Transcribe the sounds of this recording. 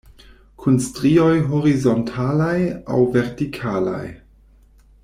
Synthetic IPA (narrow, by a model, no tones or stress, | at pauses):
kʰunstɾio̞jɦoɾizontʰalaja̰wveɾtikʰala̰j